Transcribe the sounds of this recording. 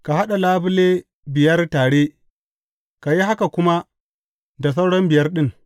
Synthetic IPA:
ka˨ɦa˦ɗa˨laː˦bʊ˦leː˦ | bɪ˨jɐ˦rtaː˨ɽe˦ | ka˨ji˦ɦa˦ka˨kʷʊ˦ma˦ | da˨s̬a˦wɽɔ˦mbɪ˨jɐ˦rɗɪ˦ŋ

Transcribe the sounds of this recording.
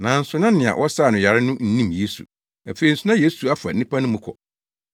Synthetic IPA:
nã˨n̩˦sʊ˨˦nã˦nɪ̃˨ã̰˨wʔɔ˦sa˦˨nʊ̃˨ja˨ɾɪ˦nʊ̃˦n̩˦nĩ˦mje˦sṵ˨ | a˨fe˨ɾi˨n̩˨sʊ˦nã˦je˦su˨a˦fa̰˨˦nĩ˦pʰa˦nʊ̃˦mʊ̃˦kʰɔ̰˨

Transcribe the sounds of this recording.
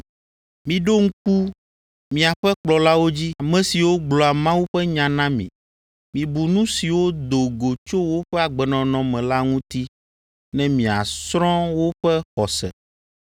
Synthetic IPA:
mĩ˨ɖo˦ŋ̩˦ku˦ | mĩ˨a˨ɸɛ˦k͡plɔ˨la˦wo˦d͡ʑi˦a˨mɛ̃˨si˨wo˦ɡ͡blɔ˨a˨mã˦wu˦ɸɛ˦ɲã˨nã˦mḭ̃˨ | mĩ˨bu˨nũ˦si˨wo˦d̪o˨ɡo˨t͡ʃo˦wo˦ɸɛ˦a˨ɡ͡bɛ˨nɔ̃˨nɔ̃˨mɛ̃˨la˦ŋũ˦t̪i˦ | nɛ̃˦mĩ˨a̰˨sɾɔ̃˦wo˦ɸɛ˦xɔ˨sɛ̰˨

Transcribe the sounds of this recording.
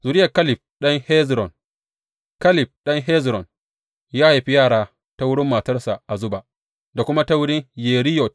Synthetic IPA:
zuː˨ɾɪ˦jɐ˨ka˦lɪ˨p̚ɗɐ˦ŋhɛ˦zɾɔ˨n | ka˦lɪ˨p̚ɗɐ˦ŋɦɛ˦zɾɔ˨n | jaː˦ha˨ɸi˦jaː˦˨ɽaː˦ | ta˦wʊ˦ɽɪ˦mːaː˨tɐ˦rsa˨ʔa˨zʊ˦ba˨ʔ | da˨kʷʊ˦ma˦ta˦wʊ˦ɽɪ˦ŋjeː˨ɾɪ˦jɔ˨t

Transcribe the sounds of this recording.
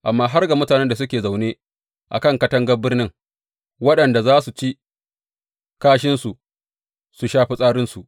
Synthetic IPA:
ʔa˨mːaː˦ɦa˦rɡa˨mʊ˦taː˨nɛ˦nda˨sʊ˦kʲeː˨za˨wneː˦ | ʔa̰˨kɐ˦˨ŋkɐ˦tɐ˦ŋɡɐ˦bɪ˦rnɪ˦ŋ | wɐ˦ɗɐ˨nda˨zaː˦su˨t͡ʃi˦ | kaː˦ʃɪ˦nsu˨ | su˨ʃaː˦ɸi˦sʼaː˦ɾɪ˦nsu˨ʔ

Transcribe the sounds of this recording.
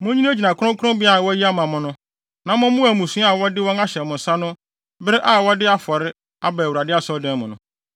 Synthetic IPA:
mʊ̃˦ɲĩ˦d͡ʑi˨nã˨kʊ˦ʊ̃˦kʰʊ̃˦ʊ̃˦bi˦a˨wɔ˦ji˦a˦mã˨mʊ̃˨nʊ̃˦ | nã˨mʊ̃˦mʊ̃˦æ˨mũ˨sũ˦a˨wɔ˦dɪ˦wɔ̃˦na˦ɕɛ˨mʊ̃˨n̩˨sa˦nʊ̃˦ | bɪ˦ɾɪ˦ʔa˦˨wɔ˦dɪ˦a˦fɔ˨ɾɪ˦ | a˦ba˨wu˨ɾa˨dɪ˦a˦sɔ˦dɛ̃˦n˦mʊ̃˨nʊ̰̃˨

